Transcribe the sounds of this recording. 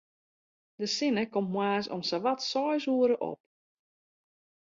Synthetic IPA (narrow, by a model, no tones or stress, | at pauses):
dəsɪnəkommwaːsɔ̰msaʋatsɔjsuəɾəʔɔ̰p̚